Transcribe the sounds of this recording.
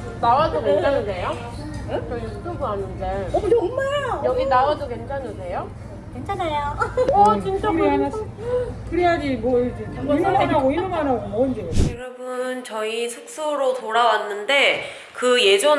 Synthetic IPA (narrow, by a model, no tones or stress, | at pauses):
nawadokent͡ɕʰanɯnejo | sʰudoɡuanɯndeodemːajʌɡinawadokent͡ɕʰanɯse̞jo | kent͡ɕʰanajo | int͡ɕʌkɯɾa | kɯɾijaɡimwʌid͡ʑeuɡimɯanaɡoimɯŋanɦaɡomoʌindeojʌɾʌbunnt͡ɕʌisʰuk̚s͈oɾotoɾawanːɯnde̞ | kɯje̞d͡ʑo